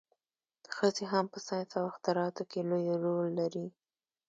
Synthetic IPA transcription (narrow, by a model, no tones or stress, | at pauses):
xəzeɦampəsɑjt̪awaxt̪aɾɑt̪okelojɾolːaɾi